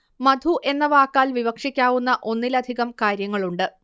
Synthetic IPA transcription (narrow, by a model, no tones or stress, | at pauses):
mɐd̪ʱuʔe̞nːɐʋaːkːaːlʋiʋɐkʂikʲːaːʋunːɐʔo̞nːilɐd̪ʱiɣɐmkaːɾjɐŋːɐɭuɳɖɨ